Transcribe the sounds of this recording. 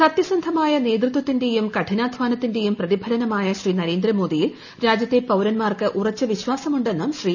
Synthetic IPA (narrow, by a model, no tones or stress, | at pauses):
sɐt̪jɐsɐnd̪ʱɐmaːjɐne̞ːd̪rɨt̪wɐt̪ːinde̞jumkɐʈʰinaːd̪ʱʋaːnɐt̪ːinde̞jumprɐðibʱɐlɐnɐmaːjɐɕriːnɐɾe̞ːnd̪rɐmo̞ːd̪ijil | ɾaːd͡ʑjɐt̪ːe̞pɐwɾɐnmaːrkɨʔurɐt͡ɕːɐʋiɕʋaːsɐmuɳɖe̞nːɐmɕriː